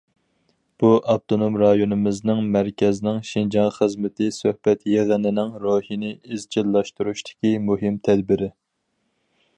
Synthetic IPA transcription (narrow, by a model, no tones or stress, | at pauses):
b̥uʔɑb̚t̪ʰonomɾɑjonɨmɪznɪŋmæɾkʲɛznɪŋʃind͡ʒɑŋχəzmɪt̪ʰɪsøhbɛt̪jeʁənɪnɪŋɾohinɪizd͡ʒilːɑʃt̪uɾuʃt̪ʰɪ̥kʲimuɦɪmt̪ʰɛd̪bɪɾɪ